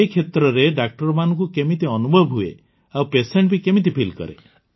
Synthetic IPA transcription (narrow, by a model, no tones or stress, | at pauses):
ekʰet̪ɾɔɾeɖak̚ʈɔɾɔmanɔŋkukemit̪iɔnubʱɔbɦuḛ | awpeseɳʈ̚bikemit̪̬ipʰilkɔ̰ɾḛ